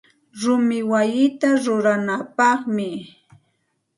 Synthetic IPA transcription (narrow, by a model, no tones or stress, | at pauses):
ɾʊmɪwajɪt̪aɾʊɾanapɑχmɪ